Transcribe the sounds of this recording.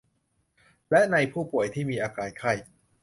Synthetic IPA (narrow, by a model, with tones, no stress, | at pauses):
lɛ˦˥ʔna˧jpʰuː˥˩pu˨˩əjt̪ʰiː˥˩miː˧ʔaː˧kaː˧jkʰa˥˩j